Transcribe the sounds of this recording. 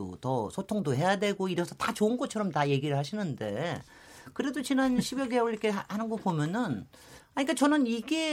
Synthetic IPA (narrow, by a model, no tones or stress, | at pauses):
o̰tʌsʰotʰoŋdoɦe̞jadwe̞ɡoiɾʌsʰʌtat͡ɕoɯnɡʌt̚t͡ɕʰʌɾʌmtaje̞ɡiɾɯɭɦaɕʰinɯnde̞̰ | kɯɾe̞dot͡ɕinanɕʰibjʌɡeoɭikʰeahanɯnɡʌk̚pomjʌnɯn | aɲik͈ːat͡ɕʌnɯniɡe